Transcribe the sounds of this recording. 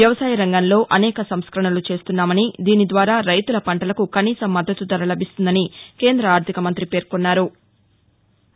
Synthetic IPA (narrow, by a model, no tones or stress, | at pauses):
jɐʋɐsaːjɐɾɐŋɡɐnlo̞ːʔɐnɛːkɐsɐmskɾɐɳɐlut͡ʃe̞ːst̪unːaːmɐnid̪iːnid̪ʋaːɾaːɾɐjt̪ulɐpɐɳʈɐlɐkukɐniːsɐmːɐd̪ʱːɐt̪ud̪ɐɾɐlɐbist̪und̪ɐnike̞ːnd̪ɾɐaːɾt̪ʰikɐmɐnt̪ɾipe̞ːɾkonːaːɾu